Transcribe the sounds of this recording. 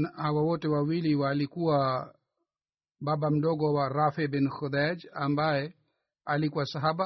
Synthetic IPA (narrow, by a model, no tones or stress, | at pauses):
hawawɔtɛwawiliwalikuwa | babam̩dɔɡɔwaɾafɛbinxud̪ad͡ʒambajɛ | alikuwasaɦaba